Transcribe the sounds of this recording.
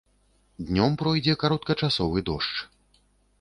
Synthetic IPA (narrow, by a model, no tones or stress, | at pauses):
d̪ʲnʲɔmpɾɔjd͡zʲɛkaɾɔt̪̚kɐt͡ʂasɔvɨd̪ɔʂt͡ʂ